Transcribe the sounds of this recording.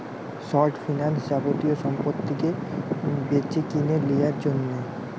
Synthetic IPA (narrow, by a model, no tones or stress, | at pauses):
sɔɾʈfinald͡ʑabot̪ioʃɔmpot̪ʰːike | beɾt͡ɕekineɾlijaɾd͡ʑonːe